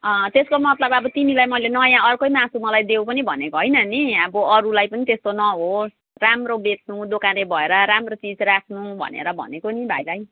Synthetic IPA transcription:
ʌt̪eskomʌt̪lʌbʌbʌt̪inilajmʌjlenʌjãʌrkojmãsʰumʌlajd̪ewpʌnibʱʌnekoɦʌjnʌniʌbʌʌɾulajpʌnit̪est̪onʌɦo | ramrobet͡sʰnud̪okaɾebʱʌeɾʌɾamrot͡sid͡zrakʰnubʱʌ̰nḛɾʌbʱʌ̰nekonibʱa̰jlaj

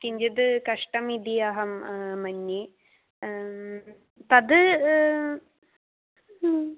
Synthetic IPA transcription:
kiɲd͡ʑɐd̪ɨkɐʂʈɐmid̪iɐɦɐmmɐnːi | t̪ɐd̪ɨ

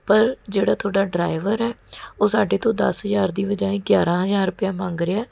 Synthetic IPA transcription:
pəɾd͡ʒeːɽaːt̪ʰʊoːɽaːɖɾaːɪʋəɾɛːoːsaːɖeːt̪õːd̪əsɦəzaːɾd̪iːbəd͡ʒaːẽːɡjaːɾãːɦəzaːɾʊpɪjaːmãːŋɡɾɪaː

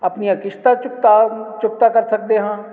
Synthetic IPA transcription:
ɐpniɐ̃kɪʃt̪at͡ʃʊk̚t̪at͡ʃʊkt̪akɐɾsɐk̚d̪eɦãː

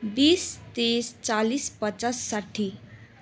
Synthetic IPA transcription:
bist̪est͡salispʌt͡sasːaʈʰːi

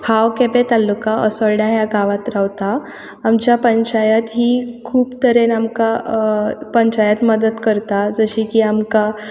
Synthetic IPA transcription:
hawkepet̪alːukaəsəɾɽjajaɡaʋat̪ɾaʋt̪a | amt͡ɕjapəɲt͡ɕajat̪ɦiːkʰuːbt̪əɾenamka | pəɲt͡ɕajat̪məd̪ət̪kəɾt̪ad͡zəɕikiamka

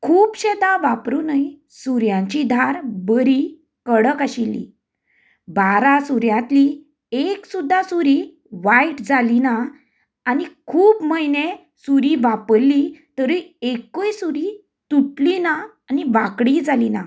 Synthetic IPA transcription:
kʰuːpɕed̪ãʋapɾunai | suɾjãɲt͡ɕid̪ʱaɾbəɾi | kəɽəkaɕilːḭ | baɾasuɾjãt̪li | eksud̪ʱːasuɾi | ʋaiʈd͡zalinaː | nikʰuːpməjne | suɾiʋapəlːit̪əɾuekojsuɾi | t̪uʈlinaː | niʋakɽid͡zalina̰

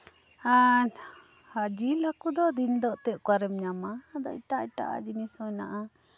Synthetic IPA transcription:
a | had͡ʒilakud̪ɔd̪ind̪ɔʔt̪ɛʔkwaɾɛmɲamad̪ɔ̰ʈaʈa̰ʔa̰d͡ʒinisɔna̰ʔa

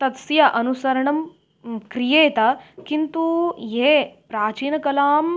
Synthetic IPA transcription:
t̪ɐt̪sjaʔɐnusɐɾɐɳɐm | kɾijeːt̪akint̪uɦepɾaːt͡ʃiːnɐkɐlaːm

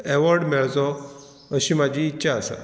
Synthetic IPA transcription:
ɛʋɔɾɖmeɭt͡sɔ | əɕiːmad͡ʑʱiːtːɕaəsa̰

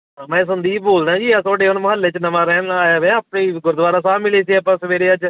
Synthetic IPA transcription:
mɛ̃ːsʊ̃nd̪iːboːlnãːd͡ʒiːaːt̪oːɖeːʊnməɦəlːeːt͡ʃnəmãːɾɛːnaːjaːʋɛ̃aːpnẽːɡʊɾd̪ʋaːɾaːsaːbmɪleːs̬iːəpãːsəʋeːɾeːaːt͡ʃ

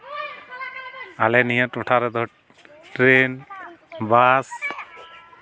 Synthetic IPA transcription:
alɛnijətɔʈʰaɾɛd̪ɔ | ʈɾen | bas

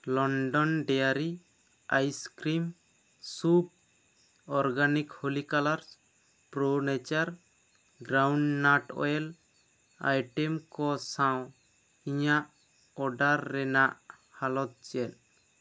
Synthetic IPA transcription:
lɔɳɖɔnɖɛjaɾi | ajskɾim | sub̚ | ɔɾɡanikholikalaɾ | pɾonɛt͡ʃaɾ | ɡɾawɳɖnaʈɔ̰ɛl | a̰jʈɛmkɔsãw | iɲaʔ | ɔɖaɾːɛnaʔ | halɔt̪̚t͡ʃɛl

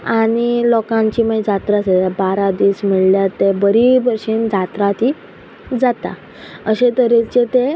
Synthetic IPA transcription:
añilɔkãɲt͡ɕiməid͡zat̪ɾasəabaɾad̪iːsmiɭljat̪ːebəɾibəɾʂiːnd͡zat̪ɾat̪iː | d͡zat̪a̰ | əɕet̪əɾet͡ɕet̪e

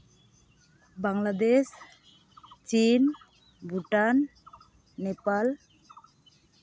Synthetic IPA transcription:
baŋlad̪es | t͡ʃin | bʱuʈanː | epal

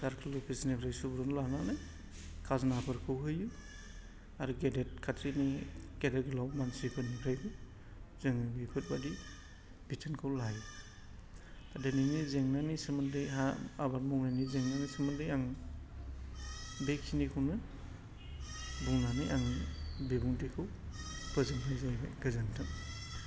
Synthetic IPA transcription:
daɾkʰɯlɯpʰisnibʰɾajsubɾɔnlananɯj | kʰaznapʰɯɾkʰɯwɦɯju | aɾuɡedet̚kʰatʰɾiniɡ̥edetɡɯlawmansipʰɯnipʰɾajbɯ | zɯŋibipʰɯt̚badi | b̥itʰɯnkʰɯwlaju | tadeninizeŋnanisɯmɯndɯjɦaabaɾmɔŋnanizeŋnanisɯmɯndɯjaŋ | bekʰːinikʰuwnɯ | buŋnanijaŋbibuŋdikʰɯw | pʰɯzɯŋɦʰajzajba̰ɡɯzantʰɯ

